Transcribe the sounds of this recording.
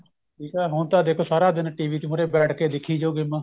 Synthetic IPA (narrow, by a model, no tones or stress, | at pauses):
ʈʰiːkɛːɦʊɳt̪ãːd̪eːkʰoːsaːɾaːd̪ɪnʈiːʋiːt̪iːmʊɾeːbɛːʈʰkeːd̪ɪkʰːiːd͡ʒoːɡɪːmãː